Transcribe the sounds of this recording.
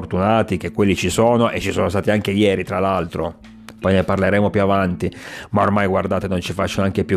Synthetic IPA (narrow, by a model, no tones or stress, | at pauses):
rt̪unaːt̪ik̟ekːwelːit͡ʃisoːnoʔet͡ʃːisoːnost̪aːt̪iaŋk̟ejɛːɾit̪ɾalalt̪ɾo | pɔjneparleɾeːmopjuavant̪imaormajɡward̪aːt̪enont͡ʃifat͡ʃːoneaŋkepju